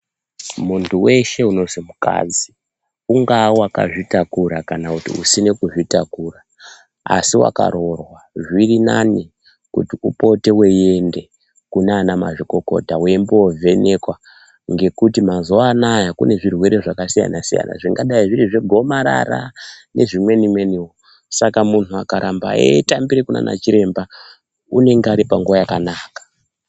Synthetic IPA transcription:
muntʰuwe̞ʃe̞uno̞zimuka̰d͡zi | uŋɡawaka̰ʐitakuɾakanakutḭusine̞kuʐitakura | a̰siwa̰ka̰ɾo̞rwaʐirinani | kṵtiupo̞te̞we̞je̞nde̞ | kunanama̰ʐiko̞ko̞̰tawembowovʱe̞ne̞kwa | ŋɡe̞kutimazoaːnajakune̞ʐirwe̞ɾe̞ʐakasija̰nasija̰na̰ʐiŋɡaɗaiʐiɾiʐeɡʱo̞maɾa̰ra̰ne̞ʐimwe̞nimwe̞niwo | sakamunuakaɾʔamba̰ḛtambiɾekuna̰na̰t͡ʃiɾe̞mba | une̞ŋɡaɾipaŋɡuʋajakanaːkḁ

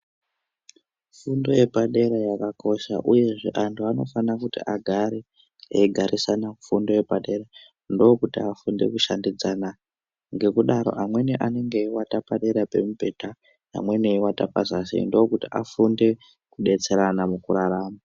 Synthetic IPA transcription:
fundo̞je̞bʱaɗe̞ɾajakakʰo̞ʃa̰ʔuje̞ʐe̞̰ʔantʰuano̞fanakutiʔaɡʱaɾe | ɡʱaɾʔisanafundo̞je̞paɗe̞ra | ndokutiafundḛkuʃandid͡zana | ŋɡe̞kuɗaɾo̞̰ʔamwe̞neʔane̞ŋɡeiwatapaɗeɾape̞mubʱe̞ta | na̰mwe̞neiwata̰pa̰zasḭndokutiʔafunde̞ | kuɗe̞t͡se̞ɾanamukuɾaraːma

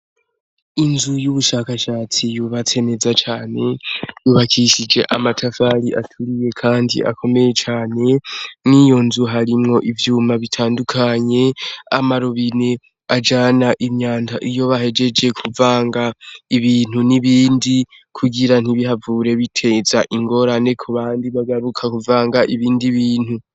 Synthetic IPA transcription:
inzujuβuʃaːkaʃaːt͡sijuβat͡se̞ne̞zat͡ʃaːne̞juβakʰiʃid͡ʒe̞ʔamatʰafaɾiʔa̰tʰuɾije̞kʰaːndḭʔa̰kʰo̞me̞je̞t͡ʃaːne̞nijo̞nzuɦaɾimŋo̞ʔivjuːmaβitʰaːndukʰaɲe̞amaɾoβine̞ | ad͡ʒaːnaʔimɲaːntaʔijo̞βaɦe̞d͡ʒe̞d͡ʒe̞kʰuvaːŋɡaiβiːn̥huniβiːndi | kʰuɡiɾan̥iβiɦavuːɾe̞βitʰe̞zaʔiŋɡo̞ɾane̞kʰuβaːndiβaɡaɾukʰakuvaːŋɡaʔiβiːndiβiːn̥hu

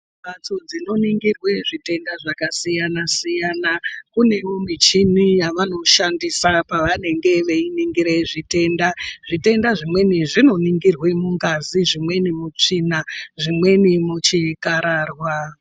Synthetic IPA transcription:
bat͡sod͡zino̞niŋɡirwe̞ʐite̞ndaʐakasijanasijanakune̞womit͡ʃinijaʋano̞ʃandisapaʋane̞ŋɡe̞ʋe̞iniŋɡiɾeʐite̞ːndaʐite̞ndaʐimwe̞niʐino̞niŋɡirwe̞muŋɡaziʐimwe̞nimut͡ʂinaʐimwe̞nimut͡ʃikaɾaːrwa

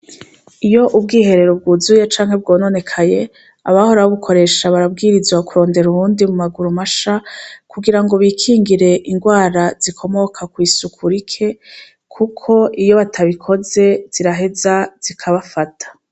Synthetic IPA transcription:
ijo̞ʔub̚ɡiːɦe̞ɾe̞ɾob̚ɡuzujet͡ʃaːŋhe̞bɡo̞ːno̞ne̞kʰaje̞ | aβaho̞ɾawoβukʰo̞ɾe̞ːʃaβaɾab̚ɡiːɾizwakuɾo̞ːnde̞ɾuβuːndimumaɡuɾumaʃakʰuɡiɾaŋɡo̞βiːkʰiːŋɡiɾe̞ʔiŋɡwaːɾaz̥ikʰo̞mo̞kʰakwiːsukʰuɾikʰe̞ | kʰukʰo̞ʔijo̞βatʰaβikʰo̞ze̞z̥iɾaɦe̞zaz̥ikʰaβafatʰḁ

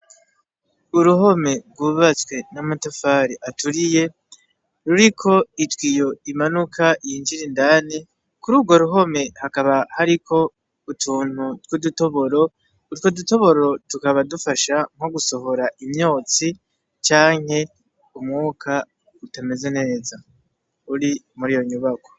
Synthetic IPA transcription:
uɾuɦo̞me̞ɡwuβat͡skwe̞namatofaːɾiʔatuɾije̞ | ɾuɾikʰo̞itwijo̞imanukʰaʔijind͡ʒiɾindani | kuɾuːɡo̞ɾuɦo̞me̞hakaβahaɾikʰo̞ | utʰuːn̥hutwuduto̞βo̞ɾo̞ | utkwoduto̞βo̞ɾo̞tukaβadufaʃaŋ̥ho̞ɡuso̞ɦo̞ɾaʔimɲo̞ːt͡si | t͡ʃaːŋ̥he̞ | umŋuːkʰa | utame̞ze̞ne̞ːza | uɾimuɾijo̞ɲuβako̞

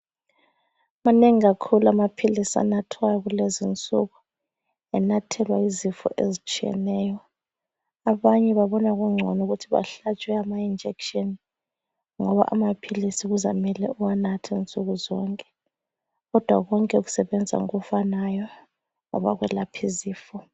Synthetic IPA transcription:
maneŋiɣakʰuluamapʰilisia̰natʰwajɔɣulezint͡sʼuɣu | ɛnatʰɛlwaizifɔ̰ʔḛzit͡ʃʼiɛ̰nɛːjɔ | aβaɲɛβaβɔnaɣuŋ͡ǀʱɔnuɣutʰiβa̰ɬat͡ʃʼwɛamaind͡ʒʱɛkʃɔn | ŋɔβa̰ʔamapʰilisiɣuza̰mɛlɛuwanatʰɛnt͡sʼuɣuzɔŋkʼɛ̥ | ɣɔd̥ʱwaɣɔŋkʼɛuɣu̥sɛβɛnd͡zʱa̰ŋṵɣufanajɔ | ŋɔ̰βa̰ɣwɛlapʰiziːfɔ

